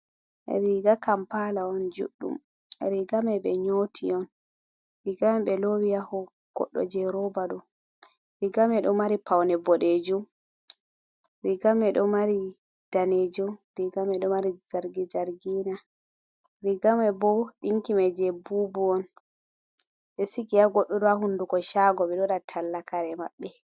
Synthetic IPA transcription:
ʔɛ̰ɾiɡakampalaɔnd͡ʒṵɗːṵm | ɛ̰ɾiɡamɛbɛ̰ɲotʰiɔn | ɾiɡamɛɓɛlowijahɔ | ɡ̥ɔ̰ɗːɔ̰d͡ʒɛɾɔbaɗɔ | ɾiɡamɛɗɔmaɾipawnɛbɔɗed͡ʒum | ɾiɡamɛɗɔmaɾi | d̥aned͡ʒumɾiɡamɛɗɔmaɾizaɾɡid͡ʒaɾɡiːna | ɾiɡamɛbɔɗiŋkimɛd͡ʒɛbubuɔn | ɓɛsikiaɡɔɗːɔɗɔahundukɔʃaɡɔɓɛɗɔɗatʰalːakaɾɛma̰ɓːɛ

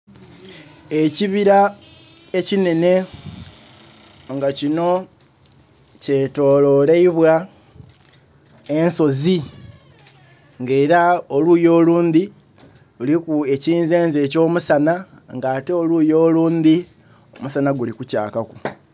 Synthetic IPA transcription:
e̞ciβiɾa | ecine̞ne̞ | ŋɡacino̞ | ce̞to̞ːlo̞leiβwa | e̞nso̞zi | ŋɡe̞ːɾaolujo̞ːluːnd̪i | ulikue̞ciːnze̞ːnze̞ːco̞ːmusana | ŋɡaːte̞oluːjo̞ːluːnd̪i | omusanaɡulikuca̰ːkaku

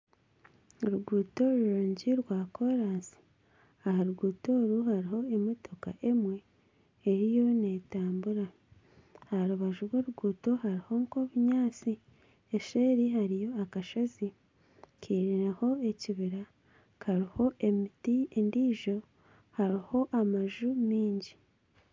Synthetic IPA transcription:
ɾuɡuːto̞ɾuuɾuːɲɟiɾwaːkʰo̞ɾaːnsi̥ | ahaɾuɡuːto̞ːɾuhaɾiho̞emotoka̰ʔe̞mwe̞ː | ɾijo̞ne̞ːtaːmbuɾa | ahaɾuβaʒuɾwoːɾuɡuːto̞haɾiho̞ŋko̞βuɲaːt͡si | eʃeːɾiɦaɾijo̞akaʃazi | kʰiːɾiɾeho̞e̞ciβiɾa | kʰaɾiho̞ʔemitiendiːʒo̞ | haɾiho̞ʔamaʒumiːɲɟi

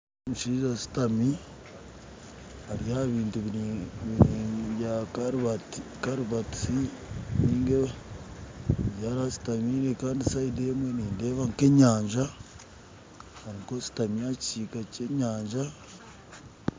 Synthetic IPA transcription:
muʃiːʒasi̥tami | aɾijaβiːntuββiijaɾβatkaɾuβatiniːŋɡe | βjaɾasi̥tamiɾekaːndisaidemweniːnde̞ːβaŋke̞ɲaːɲʒa | aɾiŋkosi̥tamijat͡ʃikaceɲaːɲʒa

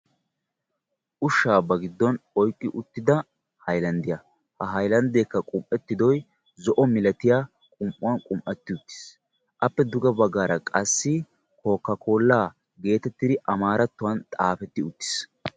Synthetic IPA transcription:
ʔʊʃːaːbɐɡɪd̪ːɔnɔjkʼːɪʔʊt̪ːɪd̪ɐ | hɐjlɐnd̪ɪjɐ | hɐɦɐjlɐnd̪eːkːɐkʼʊmʔɛt̪ːɪd̪ɔj | zɔʔɔmɪlɐt̪ɪjaː | kʼʊmʔʊwɐnkʼʊmʔɛt̪ːɪʊt̪ːɪ̥s | ʔɐpːɛd̪ʊɡɐbɐɡaːɾɐkʼɐsːɪ | ko̞ːkːɐkʰo̞ːlːaː | ɡe̞ːt̪ɛt̪ːɪd̪ɪʔɐmaːɾɐt̪ːʊwɐnt̪ʼaːfɛt̪ːɪʊt̪ːɪ̥s

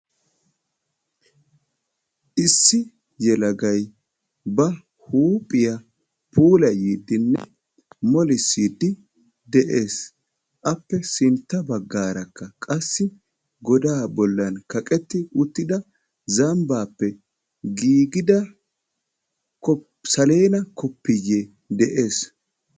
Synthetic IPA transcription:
ʔɪsːɪ | jɛlɐɡɐj | bɐ | huːpʼːɪjɐ | pʰuːlɐjiːd̪ːɪnːɛ̰ | mɔlɪsːiːd̪ːɪ | d̪ɛʔeːs | ʔɐpːɛsɪnt̪ːɐbɐɡːaːɾɐkːɐkʼɐsːɪ | ɡɔd̪aːbɔlːɐnkɐkʼɛt̪ːɪʊt̪ːɪd̪ɐ | zɐmbaːpːɛ | ɡiːɡɪd̪ɐ | kɔ | sɐle̞ːnɐkɔpːɪje | d̪ɛʔeːs

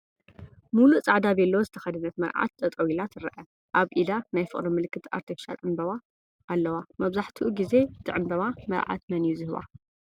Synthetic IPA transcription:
mulut͡sʼaʕd̪aβiɛlːɐwozɨt̪ʰɐxɐd̪ɨnɐt̪mɐɾʕa̰t̪̚t̪ʼɐt̪ʼɐwilat̪ʰɨɾɐʔɐ | ʔaβʔid̪anajfɨχʼɾimɨlɨkːɨt̪a̰ɾt̪ʰifi̥ʃa̰lʕɨmbɐβa | ʔːlːɐwamɐβzaħt̪ʰiʔuɡize̞t̪ʰɨʕɨmbɐβamɐɾʕa̰t̪mɐnjuzɨhɨβa̰

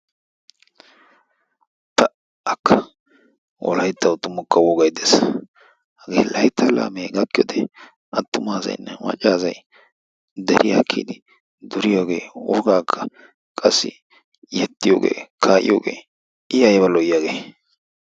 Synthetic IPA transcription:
t̪ɐ | ɐkʰːɐ | wɔ̰lɐjt̪ːɐwʊt̪ʊmʊkːɐwɔɡɐjd̪eːs | hɐɡḛːlɐjt̪ʰːɐla̰ːmeːɡɐkːɪjo̰d̪ɛ | ɐt̪ːʊmaːzɐ̰jnːɛmɐ̰t͡ʃʼːaːzɐj | d̪ɛɾɪjɐkʰːḭd̪ɪ | d̪ʊɾɪjoːɡeːʊɾɡaːkʰːɐ̥ | kʼɐsːɪ̰ | jɛt̪ːɪjo̰ːɡḛːkʰaːʔɪ̰jo̰ːɡḛː | ɪjɐjbɐlɔjjaːɡeː

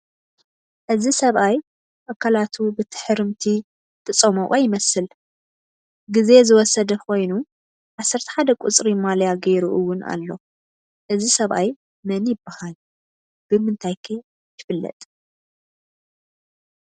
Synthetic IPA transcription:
ʔɨzisɐβʔaj | ʔakʰːalat̪ʰubɨt̪ʰɨ̥ħɨɾɨmt̪ʰi | t̪ʰt͡sʼɐmoʔʼɐjɪmɐsɨl | ɡize̞zɨwɔsɐd̪ɐkʰo̞jnu | ʕasːɐɾt̪ʰɐ̥ħad̪ɐkʼut͡sʼɾimaljaɡeɾuʔuwʊna̰lːo̞ | ʔɨzisɐβʔaj | mɐnjɪbːɨhal | b̥ɨmɨnt̪ʰajkʰɐ | jʰɪfɨlːɐ̰t̪ʼ

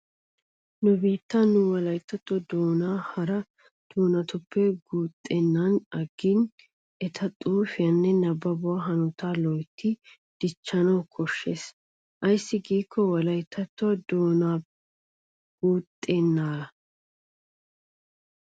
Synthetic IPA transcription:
nʊbiːt̪ːɐnːʊwɐlɐjt̪ːɐt̪ːɔd̪oːnaːhɐɾɐ | d̪̥oːnɐt̪ʊpːɛɡuːt̪ʼːeːnːɐnɐɡːin | ɛt̪ʰɐt̪ʼuːfɪjɐnːɛnɐbːɐbʊwaɦɐnʊt̪aːlɔjt̪ːɪ | d̪̥ɪt͡ʃːɐnɐwkʰɔʃːes | ʔɐjsːɪɡiːkʰːɔwɐlɐjt̪ʰːɐt̪ːʊɐd̪oːnaː | ɡ̥uːt̪ʼːeːnːaːɐ

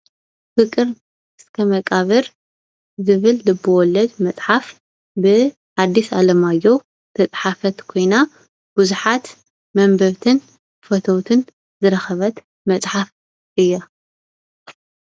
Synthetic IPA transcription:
fɨkʼɨɾ | ʔɨskʰɐmɐkʼaβɨɾ | zɨβɨld̪ɐbɨwɔlːɐd̪mɐt͡sʼħaf | bɨ | ħad̪ːisalɐmajːo̞ | t̪ʰɐt͡sʼħafɐt̪kʰo̞jna | buzuħat̪ | mɐmbɐβt̪ʰɨn | fɐt̪ʰɐwt̪ʰɨn | zɨɾɐxɐβɐt̪ | mɐt͡sʼħaf | ʔɨjːa

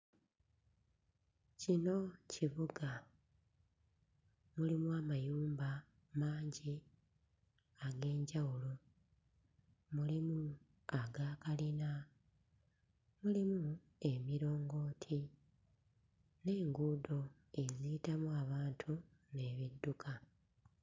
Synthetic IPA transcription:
cino̞ciβuɡa | mulimuamajuːmba | maːɲɟi | aɡe̞ːɲɟawulo | mulimu | aɡaːkalina | mulimu | e̞miɾo̞ːŋɡo̞ːtʰi | ne̞ːŋɡuːdo̞ | e̞ziːtamuaβaːntʰu | ne̞ːβidːukʰa

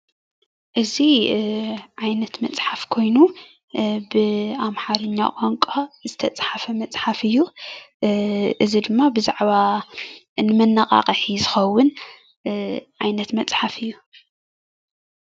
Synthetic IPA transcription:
ʔɨzi | ʕajnɐt̪mɐt͡sʼħafkʰo̞jnu | bɨamħaɾɐɲːa̰kʼoŋkʼazɨt̪ʰɐt͡sʼħafɐmɐt͡sʼħafɨjːu | ʔɨzid̪ɨmːabɨzaʕβa | nɨmɐnːaqʼa̰qʼɐħizɨxɐwːʊn | ʕajnɐt̪mɐt͡sʼħafɨjːu

